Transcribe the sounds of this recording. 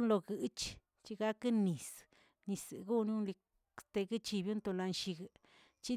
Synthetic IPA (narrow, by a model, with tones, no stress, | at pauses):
nlo˧ɡɨ˧˦t͡ʃ | t͡ʃi˦ɡa˧˦kɨ˦ni˨s | ni˧sɨ̰˨ɡu˦nju˦nli˧˦ | st̪e˧ɡɨ˦t͡ʃi˧bju˦nt̪o˧la˧nʃi˧ɡ | t͡ʃi˦